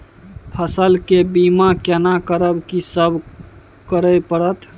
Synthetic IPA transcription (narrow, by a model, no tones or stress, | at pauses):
pʰəsəlkebimakɛnakəɾəbkisəbʱ | kəɾəpəɽət̪